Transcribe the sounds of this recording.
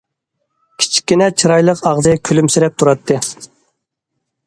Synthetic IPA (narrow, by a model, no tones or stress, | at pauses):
kʲʰi̥t͡ʃʰi̥kʲːinɛt͡ʃʰiɾɑjlˠəqɑʁzɨkʲʰølymsɪɾɛp̚t̪ʰuɾɑt̪ʰːɨ